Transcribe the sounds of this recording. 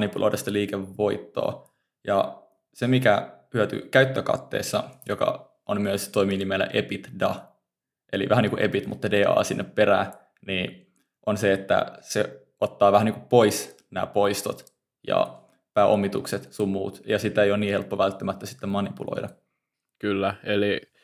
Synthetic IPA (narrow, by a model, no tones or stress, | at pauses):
nipulʔo̰jdʔɑst̪eliːkeʋʋo̞it̪ːo̰ː | jɑ | semikæhyæt̪y̰kæyt̪ːøkɑ̰t̪ːḛːsːɑjokɑ̰ | ʔommyøst̪oimiːnimelːæ̰ʔepit̪dɑ | ʔelḭʋæhæniːkuʔepit̪mut̪ːɑdeːɑ̰ːsinːʔepːeɾæː | niː | ʔonseet̪ːæ̰se | ot̪ːɑːʋæhæniːŋkuppois | næ̰ːpoist̪ot̪ | jɑ̰ | pæːʔomːit̪ukset̪sumːuːt̪jɑsit̪ːæejoniːhelpːoʋælt̪ːæmæt̪ːæsi̥t̪ːemmɑnipulo̰idɑ | kylːæeli